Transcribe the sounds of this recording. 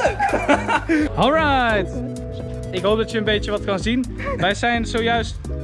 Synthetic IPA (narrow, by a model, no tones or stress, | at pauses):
ɔlˠɹajt | ɪkɦowp̚dɑtəənbejt͡ʃəʋɑtkɑnzin | ʋɛjzɛjnzowjœɥst